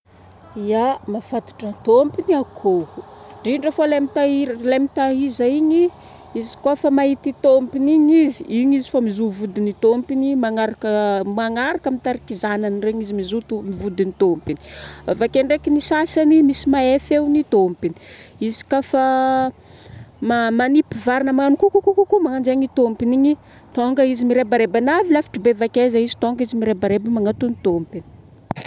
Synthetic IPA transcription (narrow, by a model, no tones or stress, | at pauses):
iamafat̪u̥ʈ͡ʂət̪ompiniakʰoɖ͡ʐiɳɖ͡ʐafolamit̪aiɾlamit̪aɦizaiɲi | izi̥kafamaɦit̪it̪ompiniɲiziiɲizi̥famizuvud̪init̪ompinimaŋaɾakəmaŋaɾakəmit̪aɾikizananreɲizimizut̪umivud̪init̪ompini̥avakeɳɖ͡ʐekinisasanimisimaefewnit̪ompini̥izi̥kafa | mamanipivaɾinəmaanukukukukukumaŋand͡ʒeɲit̪ompiniɲi | t̪oŋɡəizimiɾebaɾebanavilafi̥ʈ͡ʂubevakezaizi̥t̪oŋɡizimiɾebaɾebimaŋat̪unit̪ompini̥